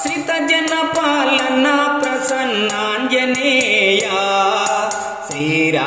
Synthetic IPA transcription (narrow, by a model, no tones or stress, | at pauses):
sit̪ːɐd͡ʒɐnːɐpaːlɐnːaːpɾɐsɐnːaːnd͡ʒɐneːjaː | seːɾa